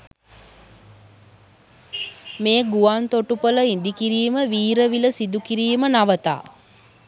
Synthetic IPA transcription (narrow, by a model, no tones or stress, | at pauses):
meːɡuʋant̪oʈupələind̪ikiɾiːməʋiːɾəʋiləsid̪ukiɾiːmənaʋət̪a̰ː